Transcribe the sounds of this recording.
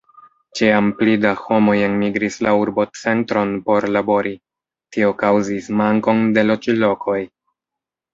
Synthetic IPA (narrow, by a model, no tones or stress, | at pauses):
t͡ʃiamplidaho̞mo̞jenmiɡɾislauɾbo̞t͡se̞ntɾo̞npo̞ɾlabo̞ɾʔi | tio̞kawzismaŋko̞nde̞lo̞t͡ʃilo̞kʰo̞j